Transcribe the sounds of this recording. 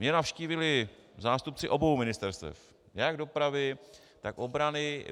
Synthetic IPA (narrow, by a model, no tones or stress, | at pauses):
mɲɛnafʃciːvɪlɪ | zaːst̪up̚t͡sɪʔo̞bowmɪnɪst̪ɛɾst̪ɛ̰f | jaɡdo̞pɾavɪ | t̪akobɾanɪ